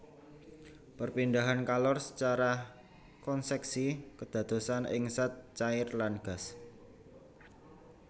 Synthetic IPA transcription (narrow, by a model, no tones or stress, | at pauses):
pərpindaɦankalɔrsə̥t͡ʃaɾa | kɔnsɛksikəd̪̥ä̤d̪̥o̤sanʔɪ̰ŋsat̪̚t͡ʃaɪrlanɡ̥a̤s